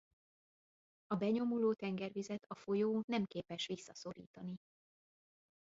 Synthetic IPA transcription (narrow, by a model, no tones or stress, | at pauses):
ɒbɛɲo̞muloːt̪ɛŋɡɛrvizɛt̪ʰɒfojoːnɛmkeːpɛʃʋisːɒso̞ɾḭːt̪ɒni